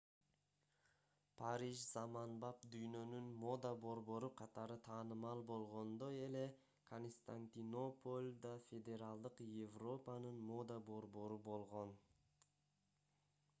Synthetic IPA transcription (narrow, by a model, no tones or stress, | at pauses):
pʰaɾiʒzamɑnbɑpd̪yjnø̞nynmo̞d̪abo̞ɾbo̞ɾuqʰɑt̪ɑɾɯt̪ʰɑːnɯmɑlˠbo̞lˠʁo̞nd̪oe̞le̞ | kʰonst̪anʲt̪ʲino̞polʲd̪afʲe̞d̪ʲe̞ɾɑlˠd̪ɯqjevro̞pɑnɯnmo̞d̪abo̞ɾbo̞ɾubo̞lˠʁo̞n